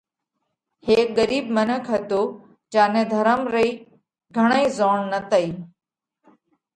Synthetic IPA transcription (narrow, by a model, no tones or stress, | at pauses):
heːk̚ɠəɾiːb̚mənəkʰɦət̪oː | d͡ʒaːnẽːd̪ʱəɾəmɾəiː | ɡʱəɽ̃aĩːzoːɳnət̪ʰəiː